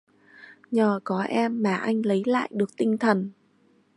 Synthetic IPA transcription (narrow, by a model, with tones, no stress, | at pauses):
ɲəː˨˩kɔ˨˦ʔɛ˧mːaː˨˩ʔa˧jŋ̟lə˨˦jla̰ː˧˨jɗɨ˨˩ək̚t̪ï˧ŋ̟t̪ʰə˨˩n